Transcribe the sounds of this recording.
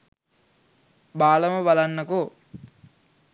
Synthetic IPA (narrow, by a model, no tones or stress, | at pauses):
baːlɐmɐbɐlɐnːɐko